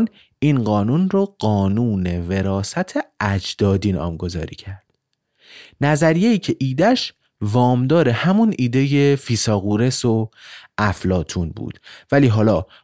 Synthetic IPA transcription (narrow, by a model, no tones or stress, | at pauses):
n | iːnɢɒːnunroɢ̥ɒːnuːne̞ve̞ɾɒːsæt̪ʰeæd͡ʒd̪̥ɒːd̪iːnɒ̰ːmɡo̞zɒ̰ːɾḭːcʰæɾd̪̥ | næzæɾijeiːcʰe̞ʔiːd̪æʃ | vɒːmd̪ɒːɾe̞hæmunʔiːd̪e̞jefiːsɒːɣuːɾe̞soʔæflɒːt̪ʰuːnbṵːd̪̥væliːɦɒːlɒː